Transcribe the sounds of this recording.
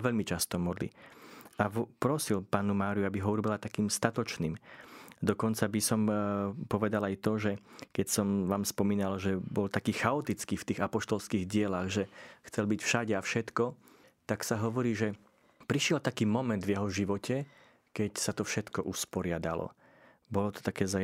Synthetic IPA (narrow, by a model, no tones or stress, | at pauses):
ʋɛʎmit͡ʃast̪ɔmɔd̪lḭapɾɔsilpaːnumaːɾijuabiɦɔuɾɔbilat̪akiːmst̪at̪ɔt͡ʃniːmd̪ɔkɔnt͡sabisɔmpɔʋɛd̪alajt̪ɔʒɛkɛcsɔmʋaːmspɔmiːnalʒɛbɔlt̪akiːxaɔt̪it͡skiːft̪iːɣapɔʃt̪ɔlskiːɣɟɪɛlaɣʒɛxt͡sɛlbicfʃaɟɛafʃɛt̪kɔ | t̪aksaɦɔʋɔɾiːʒɛ | pɾiʃɪɛlt̪akiːmɔmɛnd̪vjɛɦɔʒiʋɔcʰɛ | kɛcsat̪ɔfʃɛt̪kɔʔuspɔɾɪad̪alɔ̰ | bɔlɔt̪ɔ̥t̪akɛːza